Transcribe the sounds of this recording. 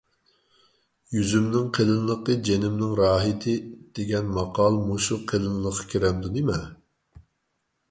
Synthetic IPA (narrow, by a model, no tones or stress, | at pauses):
jyzymnɪŋqʰelˠɨnlˠəqəd͡ʒenɪmnɪŋɾɑːɦit̪ʰɪd̪̥eɡʲɛnmɑqʰɑlˠmoʃuqʰelˠɨnlˠəqʰːɑ̥kʲʰeɾɛmd̪unimɛ